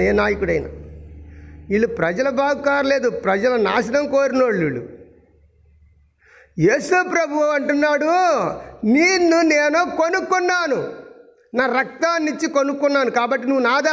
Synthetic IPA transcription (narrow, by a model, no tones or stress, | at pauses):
eːnaːjɐkuɽɐjna̰ː | iːɭːupɾɐd͡ʒɐlɐbʱaːɡukaːɾɐle̞ːd̪upɾɐd͡ʒɐlɐna̰ːʃɐnɐmkoːɾinoːɭːiːɭːṵ | jeːsuːpɾɐbʱuʋɐɐɳʈunːaːɽu | niːnːuneːnoːkonukːunːaːnu | naːɾɐk̚t̪aːnːiɲt͡ʃikonukːunːaːnukaːbɐʈːinuʋːunaːd̪a